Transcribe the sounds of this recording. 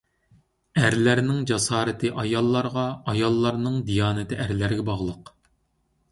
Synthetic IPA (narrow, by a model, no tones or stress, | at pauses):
æɾlæɾnɪŋd͡ʒɑsɑːɾɪt̪ʰɨʔɑjɑlˠːɑɾʁɑɑjɑlˠːɑɾnɨŋd̪ijɑːnɨt̪ʰɪʔæɾlæɾɡʲɛbɑʁlˠəq